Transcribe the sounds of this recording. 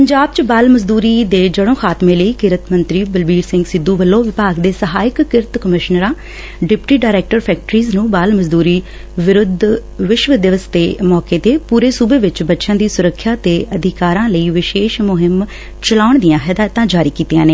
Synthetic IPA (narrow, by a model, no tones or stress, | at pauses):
pəɲd͡ʒaːb̚t͡ʃəbaːlməzd̪uːɾiːd̪eːd͡ʒəɽõːxʰaːt̪mẽːləiːkɪɾət̪mənt̪ɾiːbəlbiːɾsɪ̃ŋɡsɪd̪ːuːbəlːõːʋɪpaːɡd̪eːsəɦaːɪkːɪɾt̪kəmɪʃnəɾãː | ɖɪpʈiːɖaːɾɛːk̚ʈəɾpʰɛːk̚ʈəɾiːznũːbaːlməzd̪uːɾiː | ʋɪɾʊd̪ʱʋɪʃʋəd̪ɪʋəst̪eːmɔːkeːt̪eːpuːɾeːsuːbeːʋɪt͡ʃbətːʃãːd̪iːsʊɾəkʰːjaːt̪eːʔəd̪ʱɪkaːɾãːləiːʋɪʃeːʃmʊɦɪm | t͡ʃəlaːʊɳd̪ɪjãːxɛːd̪aːt̪ãːd͡ʒaːɾiːkiːt̪ijãːneː